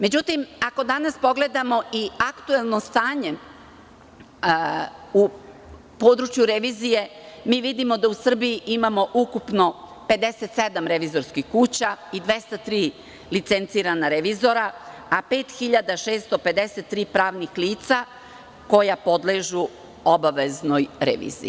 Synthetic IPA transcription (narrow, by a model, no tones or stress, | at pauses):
me̞d͡ʑut̪imako̞d̪anaspo̞ɡle̞d̪amo̞iakt̪uelˠno̞st̪aːɲe̞ | u | po̞ːd̪ɾut͡ʃjuɾeʋiːzije̞miːʋid̪imo̞d̪ausr̩bijiʔimamo̞ʔukupno̞pe̞d̪e̞set̪se̞d̪amɾe̞ʋiːzo̞ɾskixkuːt͡ɕaid̪ʋe̞st̪at̪ɾiː | lit̪sent̪siːɾanaɾeʋizo̞ɾaape̞ːt̪xiʎad̪aʃeːst̪o̞pe̞d̪eset̪ːɾiːpɾaːʋnixliːt̪sa | ko̞japo̞d̪leʒu | obaʋeznojɾḛʋḭːzḭ